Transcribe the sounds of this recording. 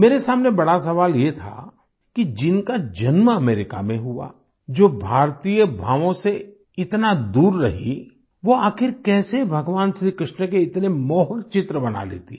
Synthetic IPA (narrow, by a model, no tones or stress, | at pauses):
meːɾesaːmnebɐɽasɐʋaːljet̪ʰa̰ | kid͡ʒɪnkad͡ʒɐnməɐmeːɾɪka̰mẽɦua̰ | d͡ʒoːbʱaːɾt̪ijəbʱaːʋõse | ɪt̪nad̪uːɾːɐɦḭ | ʋoaːxɪɾkɛːsebʱɐɡʋaːnʃɾiːkɾɪʃnəkeɪt̪nemɔːɦəlt͡ʃɪt̪ɾəbɐna̰lḛːt̪i